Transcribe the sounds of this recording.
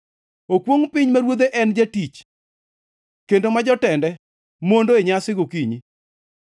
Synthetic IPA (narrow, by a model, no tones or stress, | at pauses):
okwoŋpɪɲmaɾwod̪eʔɛnd͡ʒatit͡ʃ | kendomad͡ʒɔtɛndɛ | mondoeɲasɪɡokiɲi